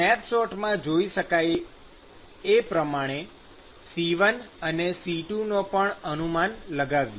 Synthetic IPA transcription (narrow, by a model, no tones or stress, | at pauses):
ɛpsɔʈmãd͡ʒoiʃəkaj | epɾəmaɽ̃e | siʋənənesiʈunopəɳənumanləɡaʋjo